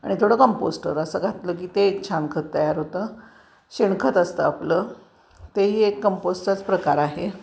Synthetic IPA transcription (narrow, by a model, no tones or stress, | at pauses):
a̰ɽ̃it̪ʰoɽəkəmposʈə̰ɾəsəːɡʱat̪ləːk̬iːt̪et͡ɕʰankʰət̪ːəjaɾɦot̪ə | ɕeɳkʰət̪əst̪əaplə | t̪eɦiːekːəmposʈat͡spɾəkaɾaɦe